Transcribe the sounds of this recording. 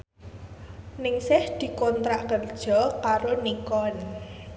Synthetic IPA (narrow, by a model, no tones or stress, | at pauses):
nɪŋsɪhd̪̥i̤kɔnt̪ɾaʔkərd̥ʒ̥ɔ̤kaɾonikɔn